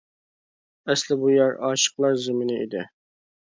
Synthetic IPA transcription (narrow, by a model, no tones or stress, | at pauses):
ɛslɪbujɑɾɑ̰ːʃə̥qlˠɑɾzɪmɪnɪḭd̪ɪ